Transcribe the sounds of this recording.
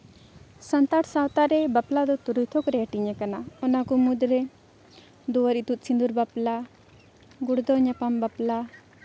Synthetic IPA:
sant̪aʈʰsawt̪aɾɛbaplad̪ɔt̪uɾujt̪ʰɔkɾɛəʈiɲɛkanaɔnakɔmud̪ɾɛ | d̪ɔwaɾit̪ut̪̚sʰind̪uɾbapla | ɡuɽd̪ɔɲapambapla

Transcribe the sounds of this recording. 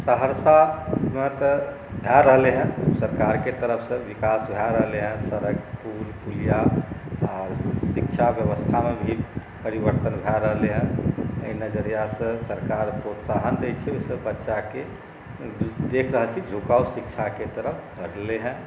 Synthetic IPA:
səɦəɾsamẽt̪ | bʱɛɾəɦleɦɛ̃səɾkaɾket̪əɾəpʰsə̃ʋikasbʱɛɾəɦleɦɛ̃səɾəɡpulpulija | ɔɾsikt͡ʃʰabjəʋəst̪ʰamebʱi | pəɾiʋəɾt̪ənbʱɛɾəɦleɦɛ̃əinəd͡ʒəɾijasə̃səɾkaɾpɾot̪saɦənd̪et͡ʃʰɛesəbbətːʃake | d̪ekʰɾəɦəlt͡ʃʰid͡ʒʱukausik̚t͡ʃʰaket̪əɾəpʰkəɾleɦɛ̃

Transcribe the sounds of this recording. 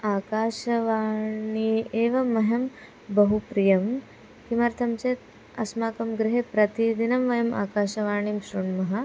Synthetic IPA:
aːkaːʃɐʋaːɳieːʋɐmɐɦɐm | bɐɦupɾijɐm | kimɐɾt̪ʰɐmt͡ʃeːt̪ | ɐsmaːkɐmɡɾiɦepɾɐt̪id̪inɐmʋɐjɐmʔa̰ːkaːʃɐʋaːɳimʃɾuɳmɐɦɐ

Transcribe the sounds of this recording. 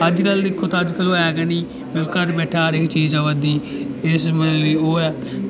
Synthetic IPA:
əd͡ʒkəld̪ɪkʰːoːt̪aːəd͡ʒkəloːɛːɡɛːniː | bɪlkəʈbɛːʈʰaːɾɪkt͡ʃiːzaʋəd̪iː | ɪsmioːɛː

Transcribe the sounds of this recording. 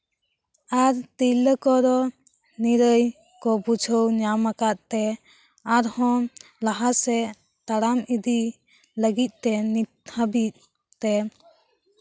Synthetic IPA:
aɾt̪iləkɔɾɔ | niɾəj | kɔbud͡ʒʱəwɲamakat̪̚t̪ɛ | aɾhɔ̃ | laɦasɛ | t̪aɽamid̪i | ləɡit̪̚ˀt̪ɛnit̪habit̪̚ | t̪ɛ

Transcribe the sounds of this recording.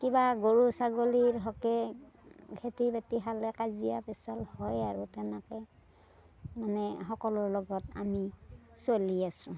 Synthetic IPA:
kibaɡoɹusaɡoliɹɦɔkɛ | kʰetibatiɦalɛkazijapɛsalhɔjaɹutɛnakɛ | manɛxɔkɔlʊɹlɔɡɔta̰misoliasʊ̃

